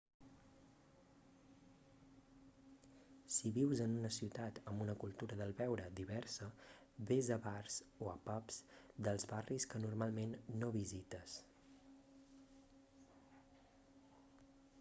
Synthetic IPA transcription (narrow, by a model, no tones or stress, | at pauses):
siβiwzənunəsiwt̪at̪əmbunəkulˠt̪uɾəðəlˠβɛwɾəd̪iβɛrsə | βezəβarz̥oəpapz̥d̪əlˠzβariskənurmalˠmenːoβizit̪əs